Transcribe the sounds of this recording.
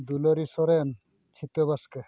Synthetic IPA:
d̪ulɔɾisɔɾen | t͡ɕʰit̪ɔβaske

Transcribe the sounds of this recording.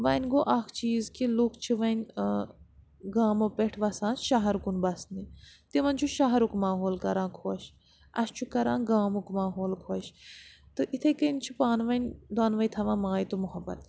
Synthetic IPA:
ʋɐnʲɡoːʔɐkʰt͡ʃiːzkilukʰt͡ʃʰiʋɐnʲ | ɡaːmopeʈʰʋɐsãːnʃaɦɐɾkunbɐsnit̪iʋɐnt͡ʃʰuʃaɦɐɾukmaːɦoːlkɐɾãːkʰoːʃ | ɐ̰st͡ʃʰukɐɾãːɡaːmukmaːɦoːlkʰoːʃt̪ɨʔit̪ʰɐkɐnʲt͡ʃʰupaːnʋɐnʲd̪waːnʋɐjt̪ʰɐʋãːmaːjt̪umuɦɐbɐ̰t̪

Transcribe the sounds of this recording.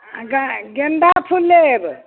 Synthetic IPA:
ɡaɡenɖ̪apʰulːeb

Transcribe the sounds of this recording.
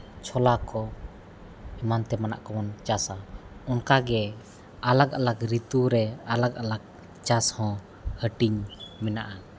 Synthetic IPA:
t͡ʃʰɔlakɔ | imant̪ɛmana̰ʔkɔmɔnt͡ʃasaɔnkaɡɛ | alak̚alakɾit̪uɾɛalak̚alak̚ | t͡ʃashɔ̃ | həʈiɲmɛnaʔa

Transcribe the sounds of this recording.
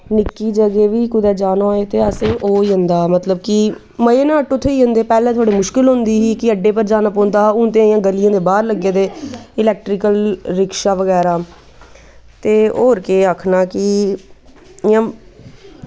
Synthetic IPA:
nɪkːiːd͡ʒəɡeːʋiːkʊd̪ɛːd͡ʒaːnoːoːeːt̪eːəsẽːʔoːiːɦə̃nd̪aːmət̪ləb̚kɪ | məeːnãːʈʊt̪ʰːeːiɦə̃nd̪eːpɛːlẽːt̪ʰoːɽeːmʊʃkɪlɦʊ̃nd̪iːɦiːkɪəɖeːpəɾd͡ʒaːnaːpõːnd̪aːʊnt̪̬ẽjãːɡəlijãːd̪eːbaːɾləɡeːd̪eːɪlɛːk̚ʈɾɪkəlɾɪkʃaːʋəɡɛːɾaː | t̪eːoːɾkeːəkʰnaːkɪ | ɪjãː

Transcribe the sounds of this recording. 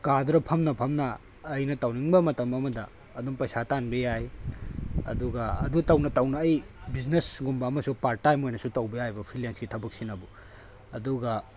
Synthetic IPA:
kadɾɐpʰɐmnɐpʰɐmnɐː | jnɐtɐwniŋbɐmɐtɐmɐmɐdɐ̰ː | dumpɐjsatanbɐjaj | ɐ̰duɡɐɐ̰dutɐwnɐtɐwnɐːj | biznesɡumbɐːmɐsupaɾ̚tajmojnɐsutɐwbɐjajbɐpʰilensɡitʰɐbɐk̚sinɐbu | ɐduɡɐ

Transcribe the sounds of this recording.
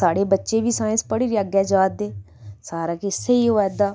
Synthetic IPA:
saːɽeːbətːʃeːʋiːsaːjə̃nspəɽiːɾɪaːɡɛːd͡ʒaːd̪eː | saːɾaːkɪɪseːiːoːɛːd̪aː

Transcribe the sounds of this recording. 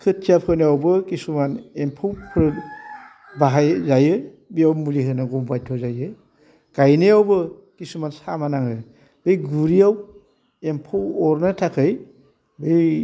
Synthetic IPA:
kʰɯtijapʰɯnɯawbɯkisumanempʰɯwpʰɾɯt̚ | baɦajzajɯ | bijawmuliɦɯnɯɡɔmbajtʰɔzajɯ | ɡ̥ajnɯjawbɯ | kisumansamanaŋɯ | b̥ɯjɡuɾijaw | empʰawɔɾnɯtʰakʰɯj | bej

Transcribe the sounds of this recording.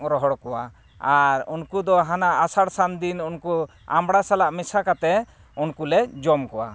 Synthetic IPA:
ɾɔɦɔɽkɔwa | aɾṵnkud̪ɔɦanaʔːsaɽsand̪inunku | a̰mɽasalaʔmisakat̪ɛ | unkulɛd͡ʒɔmkɔwa̰

